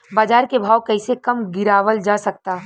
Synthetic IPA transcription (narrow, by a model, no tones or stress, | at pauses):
baːd͡ʒaːɾkebʱaːwkɐːsekɐmɡɪɾaːʋəld͡ʒasɐk̚t̪aː